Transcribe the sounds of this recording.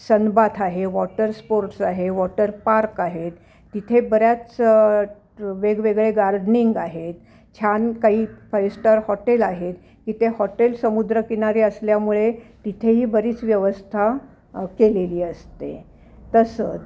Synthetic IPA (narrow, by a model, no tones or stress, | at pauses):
sənbat̪ʰaɦeʋɔʈəɾspoɾʈsaɦeʋɔʈəɾpaɾkaɦet̪ː | it̪ʰebəɾjat͡s | ʋeɡʋeɡɭeɡaɾɖniŋɡaɦet̪ | t͡ɕʰankaɦiːfajsʈəɾhɔʈelaɦet̪ | kiːt̪ehɔʈelsəmud̪ɾəkiñaɾiːəsljamuɭet̪it̪ʰeɦiːbəɾiːt͡sʋjəʋəst̪ʰa | keleliːəst̪ḛ | t̪əsət͡s